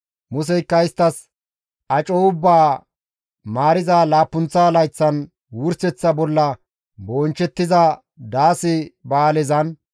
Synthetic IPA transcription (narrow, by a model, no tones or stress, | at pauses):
mʊs̬ɛjkːɐɪst̪ːɐs | ʔɐt͡ʃʼoːʊbːaː | maːɾɪzaːlaːpːʊnt͡sːaːlɐjt͡sːɐn | wʊɾsɛt͡sːɐbɔlːɐ | boːnt͡ʃːɛt̪ːɪzɐ | d̪aːsɪbaːlɛzɐn